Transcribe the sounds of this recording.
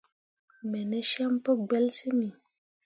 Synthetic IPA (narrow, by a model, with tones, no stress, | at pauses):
mɛ˨nɛ˦ʃa˦mpə˦ɡ͡bɛ˦lsi˦mi˨